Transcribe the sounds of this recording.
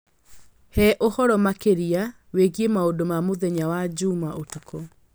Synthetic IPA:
hɛʔohɔɾɔmakeɾia | weɣiemaodomamoðɛɲawad͡ʑuːmaʔotokɔ

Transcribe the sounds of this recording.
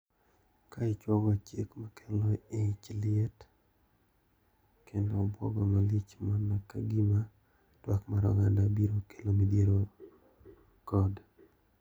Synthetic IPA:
kaɪt͡ʃwɔɡɔt͡ʃekmakʰɛlɔɪt͡ʃlɪɛt | kendɔbwɔ̰ɡɔmalit͡ʃmanakaɡima | twakmaɾɔ̰ŋandabiɾokelomidjeɾo | kɔd

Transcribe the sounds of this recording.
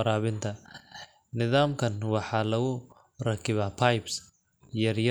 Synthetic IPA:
ɾaːβɪnt̪ʰɐ | nɪðaːmkʰɐnwɑħɑːlɐɣʊ | rɐkʰɪβaːpʰajbs | jɐrjɐ

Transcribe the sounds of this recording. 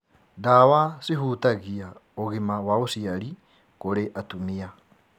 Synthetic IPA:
dawasiɦutaɣiaoɣimawaosiaɾi | koɾeʔatumia

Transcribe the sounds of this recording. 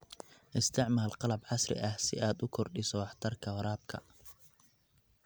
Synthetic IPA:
ʔɪst̪ʰɪʕmaːlqɑlɐbʕɑsrɪ̰ʔɐhsɪ̰ʔaːd̪ʊkʰɔrɖɪsɔwɑħt̪ʰɐrkʰɐwɐɾaːb̚kʰɐ̰

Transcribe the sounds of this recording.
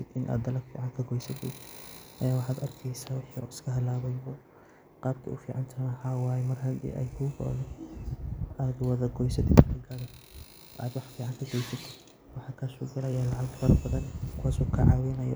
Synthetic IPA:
ɛd̪ɪnʔa̰ːd̪d̪ɐlɐkfḭːʕɑŋkʰɐɡɔjsɐt̪ʰɛ̰ʔɐjaːwɑħɑːd̪ɐrkʰɛjsaːwɑħiɔ̰ɪskʰɐɦɐlaːβɐjbɔ | qɑːb̚k̪ʰɐ̰ʊfiːʕɑnt̪ʰɐnɐhawɑːjɛmɐrhɐd̪ḭːʔɛ̰jkʰʊɡɔ̰lɛ | aːd̪wɐðɐɡɔjsɐt̪ʰɛkʰɐɡɐɽɛ | ʔa̰ːd̪wɑħfiːʕɑŋkʰɐɡɔjsɐt̪ʰɪ | wɑħɑkʰaːsuɡɐlɐjaːlɑʕɑɡfɐrbɐðɐnkʰʊwaːsuːkʰɐʕɑwɪnɐjɔ̰

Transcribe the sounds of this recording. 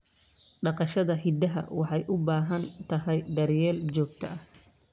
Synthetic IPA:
ɖɑqɑʃɐðɐɦid̪ɐɦɐ̰wɑħɑjʔʊbaːɦɐnt̪ʰɐɦɛjd̪ɐɾjɛːlt͡ʃɔːɡ̚t̪ʰɐʔɐh

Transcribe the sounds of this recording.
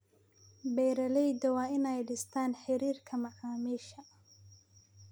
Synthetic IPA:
bɛjɾɐlɛjd̪ɐwɑːɪnɛjɖɪst̪ʰaːnħɪɾiːrkʰɐmɑʕaːmiːʃɐ

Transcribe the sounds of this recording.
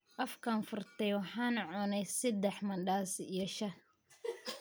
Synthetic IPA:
ʔɐfkʰaːnfʊrt̪ʰɛjwɑħɑːnʕʊnɛjsɐd̪ɛħmɐnɖaːsijɔʃɐ

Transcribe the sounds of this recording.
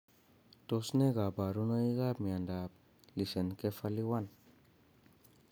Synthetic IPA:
t̪osneɡabaɾunəiɣamiandap̚ | lisenkefaliwan

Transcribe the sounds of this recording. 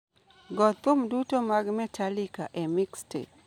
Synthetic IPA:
ɡɔt̪ːʊmdutomaɡmɛtʰalikaʔɛmikstḛ

